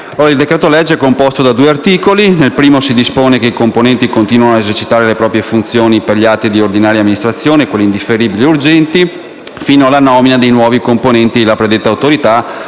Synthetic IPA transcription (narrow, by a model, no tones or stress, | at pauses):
oːɾaild̪ekɾɛːt̪olɛd͡ʒːɛkːompost̪od̪ad̪uːeart̪iːkolinelpɾiːmosid̪ispoːnekeikomponɛnt̪ikont̪iːnwanoaezert͡ʃit̪aːɾelepɾɔːpɾjefunt̪sjoːniperʎiat̪ːid̪iord̪inaːɾjamːinist̪ɾat̪sːjoːnekwelːind̪ifeɾiːbilieurd͡ʒɛnt̪i | fiːnoalːanɔːminad̪ejnwɔːvikomponɛnt̪ilapɾed̪et̪ːawt̪oɾit̪a